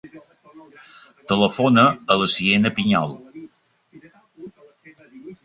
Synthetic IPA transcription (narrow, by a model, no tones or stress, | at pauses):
t̪ələfonəələsienəpiɲɔ̰lˠ